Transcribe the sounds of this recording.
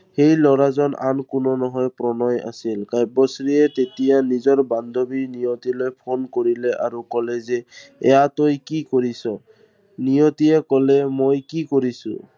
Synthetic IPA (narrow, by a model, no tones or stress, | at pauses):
xejlɔɹazɔna̰nkʊnɔnɔɦɔjpɹɔnɔja̰silkajbɔsɹiɛtetijanizɔɹband̪ʱobinijɔtilojpʰonkoɹilɛʔaɹukɔlɛzɛɛ̰jatojkikoɹisɔ | nijɔtiɛkɔlɛmojkikoɹisʊ̰̃